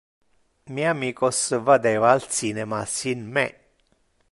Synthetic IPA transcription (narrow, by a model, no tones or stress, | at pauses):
miamiːkosəvad̪eːvaːlsinɛmasinmɛ